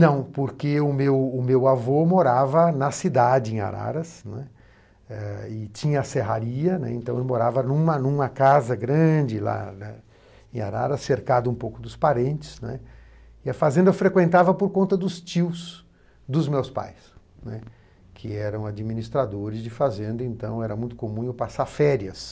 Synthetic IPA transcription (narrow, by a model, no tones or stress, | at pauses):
nɐ̃w̃poɾkeʊmewʊmewavomoɾavɐnɐsid̪ad͡ʒɪẽa̰ɾa̰ɾɐsnɛ̰ | ɛɪt͡ʃĩɲɐːseɦaɾiɐnɛ̰ẽnt̪ɐ̃w̃elmoɾavɐnũmɐnũmɐkazɐɡɾɐ̃d͡ʒɪla̰nɛ | ẽa̰ɾa̰ɾɐsːeɾkad̪ʊũpowkʊd̪ʊspaɾẽnt͡ʃɪ̥snɛ̰ | ɪɐfazẽnd̪ɐfɾekwẽnt̪avɐpoɾkõnt̪ɐd̪ʊst͡ʃiws | d̪ʊzmewspa̰js | nɛ | kʰɪɛɾɐ̃w̃ad͡ʒimĩnist̪ɾad̪oɾɪzd͡ʒɪfazẽnd̪ɐẽnt̪ɐ̃w̃ɛɾɐmũj̃t̪ʊ̥komũewpasaɾfɛɾiɐs